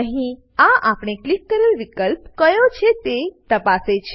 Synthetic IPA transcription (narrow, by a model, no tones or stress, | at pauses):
əɦĩ | aʔapɽ̃eklikːəɾelʋikəlpkəjot͡ʃʰet̪et̪əpaset͡ʃʰe